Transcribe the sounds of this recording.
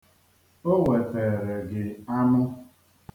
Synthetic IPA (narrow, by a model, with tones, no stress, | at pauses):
o˦ŋʷe˨teː˨ɾe˨ɡɪ˨a˦nʊ˦